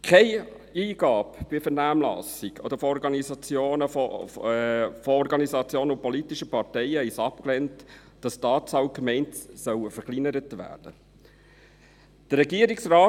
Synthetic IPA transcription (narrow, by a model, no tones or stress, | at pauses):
kʰɛɪ | iːɡ̥ɑːpb̥ɪfɛɾnæːmlɑ̰siɡʰɔ̰d̪əɾfɔɔɾɡɑnizɑt͡sjoːnəf | fɔɔɾɡɑnisɑt͡sjoːnəʊpɔlitiʃəpɑɾtɛɪəhɛɪsɑp̚klɛnt | d̥ɑstɑːtt͡sɑwkmɛɪntsœwəfəɾklinəɾətʋæ̰ːɾd̥ə | d̥əɾːɛɡiəɾiksɾaː